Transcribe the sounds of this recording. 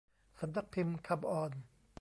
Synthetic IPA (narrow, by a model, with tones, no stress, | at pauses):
sa˨b̚d̪a˦k̚pʰi˧mkʰa˧˩bɔː˧˩n